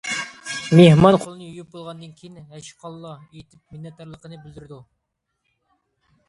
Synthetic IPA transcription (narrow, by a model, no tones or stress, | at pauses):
mehmɑnqʰolˠɨnɨjyjup̚bolˠʁɑnd̪ɨnkʲʰijinɦæʃqʰɑlˠːɑ | et̪ʰɪp̚mɪnːɛt̪ːɑɾlˠəqənɨbɪld̪yɾd̪u